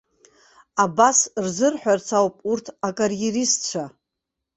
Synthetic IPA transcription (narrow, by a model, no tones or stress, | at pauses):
abasrzɨrħʷᶣart͡sʰawpʼurtʰakʼarjerist͡ʃʷʰa